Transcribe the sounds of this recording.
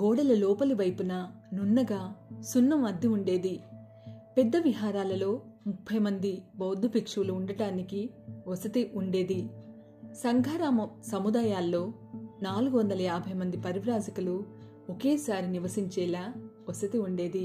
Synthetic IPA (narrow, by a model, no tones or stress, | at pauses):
ɡɔːɽɐlɐlɔːpɐliʋɐjpunɐ | nunːɐɡaːsunːɐmɐd̪ːiuɳɖe̞ːd̪i | pɛd̪ːɐʋiɦaːɾaːlɐlo̞ː | mupʰːɐjmɐnd̪ibɐːd̪ʱːupikʂɐʋuluuɳɖɐʈaːnikiɔsɐt̪iʔuɳɖe̞ːd̪i | sɐŋɡʱaːɾaːmɐsɐmud̪aːjaːlːo̞ː | naːluɡuʋɐnd̪ɐlɐjaːbʱɐjmɐnd̪ipɐɾiʋɾaːzɐkɐlu | ɔkeːsaːɾiniʋɐsiɲt͡ʃɛːlaː | ɔsɐt̪iuɳɖe̞ːd̪i